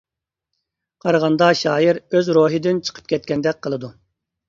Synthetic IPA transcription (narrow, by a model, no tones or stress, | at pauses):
qʰɑɾʁɑnd̪ɑʃɑːjiɾøzɾoːɦɪd̪ɪnt͡ʃʰə̥qʰə̥p̚kʲʰɛt̪̚kʲɛnd̪ɛk̚ʲqʰəlˠɨd̪u